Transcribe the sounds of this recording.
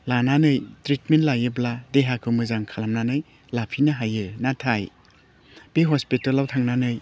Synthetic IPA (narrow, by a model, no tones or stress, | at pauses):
lananɯjtɾitmentlajɯbladeɦakʰɯmɯzaŋkʰalamnanɯj | lapʰinaɦajɯnatʰaj | b̥eɦɔspitalawtʰaŋnanɯj